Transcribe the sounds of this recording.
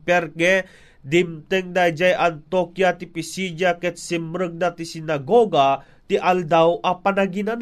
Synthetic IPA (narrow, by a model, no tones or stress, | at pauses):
pɛrke | dimt̪ɛŋdajd͡ʒajant̪okiat̪ipisid͡ʒakɛt̪simɾək̚dat̪isinaɡoɡa | t̪iʔald̪awʔapanaɡinan